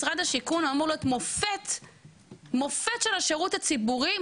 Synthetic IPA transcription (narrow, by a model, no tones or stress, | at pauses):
sʁad̪haʃikunoamuʁloet̪mofet̪ | mo̞fetʃelaʃeʁuthat͡sibuʁi